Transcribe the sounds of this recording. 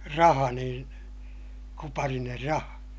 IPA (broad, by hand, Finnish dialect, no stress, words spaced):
rɑhɑ niːn kupɑriner rɑhɑ